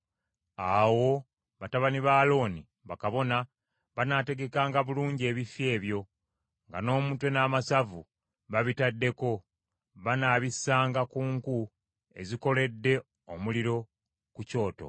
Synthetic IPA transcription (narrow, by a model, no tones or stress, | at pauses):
awo̞ | βataβaniβaːlo̞ːni | βakaβo̞na | βanaːte̞ɡe̞kaːŋɡaβuluːɲɟe̞ːβifje̞ːβjo̞ | ŋɡano̞ːmuːtwenaːmasavu | βaβitadːe̞ko̞ | βanaːβisaːŋɡakuːŋku | e̞̰ziko̞le̞dːe̞ | omuliɾo̞ | kuco̞ːto̞̰